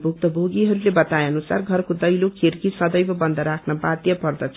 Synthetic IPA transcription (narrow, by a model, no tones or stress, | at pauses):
bʱuk̚t̪ʌbʱoɡiɦʌɾulebʌt̪aeʌnusarɡʱʌrkod̪ʌjlokʰerkisʌd̪ʌjbʌbʌnd̪ʱʌɾakʰnʌbat̪jʌpʌrd̪ʌt͡sʰ